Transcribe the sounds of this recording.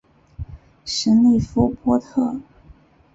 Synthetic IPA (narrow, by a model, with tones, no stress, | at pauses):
ʂə˧˥li˥˩ɪfu˥pwɔ˥t̪ʰɤ˥˩